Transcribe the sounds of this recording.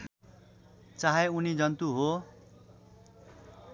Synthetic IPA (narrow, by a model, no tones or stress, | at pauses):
t͡saɦeunid͡zʌnt̪uɦo